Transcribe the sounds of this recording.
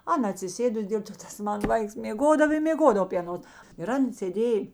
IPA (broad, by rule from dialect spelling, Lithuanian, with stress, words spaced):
ˈɑːnɐ ɐtʲsʲɪˈsʲeːdʊs ˈdʲeːlˠ toː ˈtɐs ˈmɑːnɐ ˈʋɐɪks mʲeːˈɡoːdɐw ɪ mʲeːˈɡoːdɐʋɐ pʲiː ɐˈnoːs ɪr ˈɐn sʲeːˈdʲeːj